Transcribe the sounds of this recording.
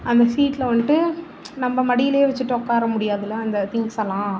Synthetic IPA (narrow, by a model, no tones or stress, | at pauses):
ɐnd̪ɐsiːʈːlɐʋɐɳʈːɯ | nɐmːɐmɐɽɪjɪleːʋɐt͡ʃːɯʈːɯɔkːaːɾɐmʊɽɪjaːðɪlɐɐnd̪ɐt̪ɪŋɡsɐlːãː